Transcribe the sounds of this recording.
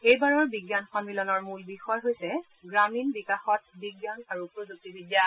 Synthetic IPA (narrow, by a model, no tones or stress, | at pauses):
ejbaɹɔɹbiɡjanxɔnmilɔnɔɹmulbixɔjɦojsɛ | ɡɹaminbikaxɔt̚biɡjanaɹupɹozuk̚tibʱiɡja